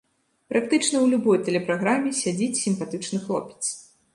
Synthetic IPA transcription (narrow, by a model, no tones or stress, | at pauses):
pɾʔak̚t̪ɨt͡ʂn̪ɐwlʲubɔjt̪ɛlʲɛpɾaɣɾamʲːɛsʲad͡zʲit͡sʲsʲimpat̪ɨt͡ʂnɨxlˠɔpʲɛ̥t̪s